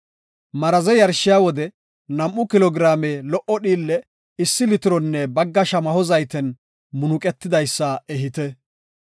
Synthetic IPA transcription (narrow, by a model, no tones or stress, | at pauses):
mɐɾɐzɛjɐɾʃːɪjaːwɔd̪ɛ | nɐmʔʊkɪlɔɡɪɾaːmeːlɔʔɔɗiːlːɛ | ɪsːɪlɪt̪ɪɾɔnːɛbɐɡːɐʃɐmɐhɔzɐjt̪ɛn | mʊnʊkʼɛt̪ːɪd̪ɐjsːɐɛɦɪt̪ɛ